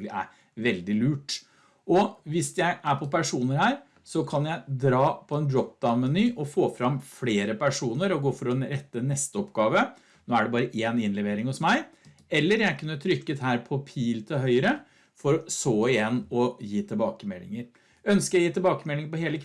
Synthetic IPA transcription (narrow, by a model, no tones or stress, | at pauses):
lɪʔæ̰ɾ | ʋɛld̪ɪlʉːʈ | ʔɔʋɪsjæɪʔæɾpʰɔpʰæʂuːnəɾhæːɾ | sɔkʰɑnjæɪd̪ɾɑːpʰɔɛnd̪ɾɔp̚d̪ɑʊnmɛnyːʔɔfoːfɾɑmfleːɾəpʰæʂuːnəɾɔɡoːfɔɾɔɾɛt̪ːənɛst̪əɔpɡɑːʋə | noːæɖɛbɑːɾəʔeːnɪnlɛʋeːɾɪŋhɔsmæɪ | ɛlːəɾjæɪkʉnːət̪ʰɾʏkːət̪ɦæːɾpʰɔpʰiːlt̪ʰɪlɦœʏəɾə | fɔɾɔsoːɪjɛnːɔjiːt̪ʰɪlbɑːkəmɛlːɪ̰ŋəɾ | œnskəɾjæjiːt̪ɪlbɑːkəmɛlɪŋəpɔɦeːləkʰ